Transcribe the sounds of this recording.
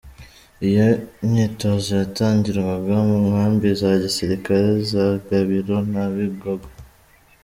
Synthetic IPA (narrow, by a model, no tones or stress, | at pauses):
ijoɲitozojataːɲɟiɾumabamuŋhaːmbizaɟisiɾikaɾezaɡaβiɾo̞naβiɡoɡo